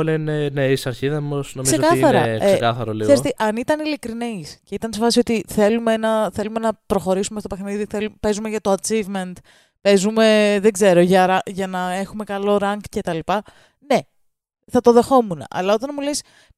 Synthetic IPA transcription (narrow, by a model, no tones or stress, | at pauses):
leneneisɐɾçiðɐmosnomizseokɐɐɾɐ̰esekɐθɐɾolisɣeet̪eʔɐnit̪ɐnilikɾinisce̞it̪ɐnsefɐsiot̪iθe̞lume̞nɐθe̞lume̞nɐpɾo̞xo̞ɾisumest̪ope̞xniðiθelupe̞zume̞ʝɐt̪oɐt͡sivment̪ | pe̞zume̞ðe̞ɡze̞ɾo̞ʝɐɾɐʝɐnɐe̞xume̞kɐlo̞ɾɐŋɡce̞t̪ɐlipɐ | ne̞ | θɐt̪o̞ðe̞xo̞munɐ̰ʔɐ̰lɐo̞t̪ɐnmules